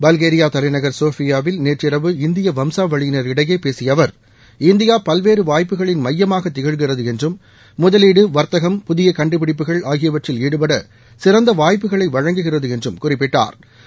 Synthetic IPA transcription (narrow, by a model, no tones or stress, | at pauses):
bɐlɣeːɾɪjaːt̪ɐlɐɪnɐɣɐɾsoːfɪjaːʋɪlneːrrɪɾɐʋɯɪnd̪ɪjɐʋɐmsaːʋɐɻɪjɪnɐɾɪɽɐjeːpeːsɪjɐʋɐɾ | ɪnd̪ɪjaːpɐlʋeːɾɯʋaːjpːɯɣɐɭɪnmɐjːɐmaːɣɐt̪ːɪɣɐɻɣɪrɐðɯɛndrɯmː | ʊðɐliːɽɯʋɐɾt̪ɐɣɐmpʊðɪjɐkɐɳɖɯpɪɽɪp̬ːɯɣɐɭaːɣɪjɐʋɐʈrɪliːɽɯpɐɽɐ | sɪrɐnd̪ɐʋaːjp̬ːɯɣɐɭɐɪʋɐɻɐŋɡɯɣɪrɐðɯɛndrɯmkʊrɪpːɪʈːa̰ːɾ